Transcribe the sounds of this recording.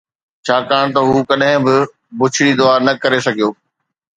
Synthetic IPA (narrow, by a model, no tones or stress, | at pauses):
t͡ɕʰaːkaːɽ̃t̪ɐɦuːkɐɗɦɪ̃bɪ | bʊt͡ɕʰɪɽid̪ʊaːɾnɐkɐɾesɐɡʱijoː